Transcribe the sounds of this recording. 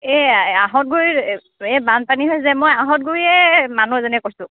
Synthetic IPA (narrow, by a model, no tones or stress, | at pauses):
ɛaɦɔt̚ɡoɹi | ɛbanpaniɦojzɛmɔjaɦɔt̚ɡoɹiɛmanuɛzɔnɛkosʊ̃